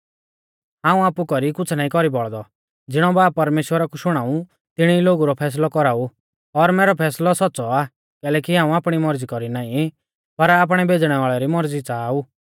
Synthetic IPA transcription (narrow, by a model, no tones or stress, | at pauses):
ɦãːũaːpukɔɾikʊt͡sʰnaːĩkɔɾibɔɭd̪ɔ | d͡zɪɽ̃ɔbaːp̚ːɐɾmeːʃwəɾakuʃʊɽ̃aːũ | t̪ɪɽ̃iloːɡuɾɔpʰɛːs̬lɔkɔɾaːu | ɔɾmɛːɾɔpʰɛːslɔsɔtːsɔa | kɛːlɛːkiɦãːũaːpɽ̃imɔɾd͡zikɔɾinaːĩ | pɐɾaːp̬ɽ̃ɛbed͡zɽ̃ɛʋaːɭɛɾimɔɾd͡zit͡saːu